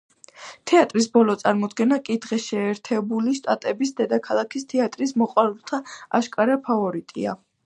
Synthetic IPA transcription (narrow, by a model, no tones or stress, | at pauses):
t̪ʰɛat̪ʼɾisbɔlˠɔt̪sʼaɾmɔd̪ɡɛnakʼid̪ʁɛʃɛːɾt̪ʰɛbuliʃt̪ʼat̪ʼɛbisd̪ɛd̪akʰalˠakʰist̪ʰɛat̪ʼɾismɔqʼwaɾulˠt̪ʰaa̰ʃkʼaɾapʰavɔɾit̪ʼia